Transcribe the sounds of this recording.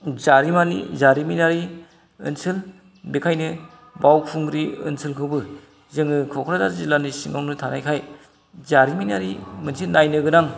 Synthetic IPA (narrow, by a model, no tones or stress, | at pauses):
zaɾimanḭzaɾiminaɾi | ɯ̰nsɯl | bekʰajnɯ | bawkʰuŋɾiɯ̰nsʰɯlkʰɯbɯ | zɯŋɯkʰɔkʰɾazaɾzilanisiŋawnɯtʰanajkʰaj | zaɾiminaɾḭmɯnsilnajnɯɡɯnaŋ